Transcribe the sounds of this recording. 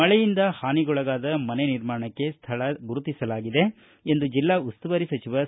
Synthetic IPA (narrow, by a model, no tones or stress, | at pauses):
ɐɭɛjind̪ɐhaːniɡɔɭɐɡaːd̪ɐmɐneniɾmaːɐɳɐkːe̞st̪ʰɐɭɐɡuɾut̪isɐlaːɡid̪e̞ | end̪ud͡ʒilːaust̪uʋɐɾisɐt͡ʃiʋɐ